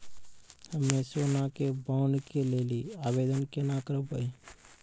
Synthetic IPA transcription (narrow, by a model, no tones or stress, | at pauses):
həmẽsoːnakebaʊnkeleːliaːbeːd̪ənkenakəɾəpəi